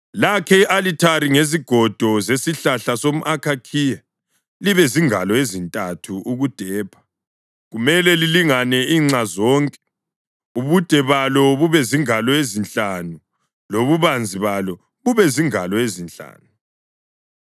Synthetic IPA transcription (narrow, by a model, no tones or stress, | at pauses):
lakʰɛiʔalitʰaɾiŋeziɡ̥ʱɔd̥ʱɔzesiɬaɬasom̩ʔakʰakʰija | liβɛziŋalɔezintʼatʰuʔuɣud̥ʱɛːpʰḁ | ɣumɛlɛliliŋanɛiːŋ͡ǀazɔːŋkʼɛ | uβud̥ʱɛβalɔβuβɛziŋalɔezinɬʼanu | loβuβand͡zʱiβalɔ | βuβɛziŋalɔezint͡ɬʼa̰ːnu